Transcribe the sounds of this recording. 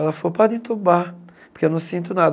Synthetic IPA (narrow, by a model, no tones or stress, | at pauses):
ɛlɐfoɾpad̪ẽt̪uba | poɾkewnɐ̃w̃sĩnt̪ʊnad̪